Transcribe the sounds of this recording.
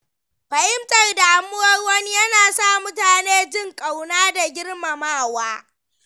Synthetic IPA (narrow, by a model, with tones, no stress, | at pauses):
ɸɐ˨hɪ˦mtʼɐ˦˨rda˨ʔa˨˦mːʊ˦ɔ˦ɾwɐ˦ni˦jɐ˦naː˨sa˦˨mʊ˦taː˨neː˦d͡ʒɪ˦ŋkʼa˨wnaː˦da˨ɡʲɪ˦rma˨maː˦˨waː˦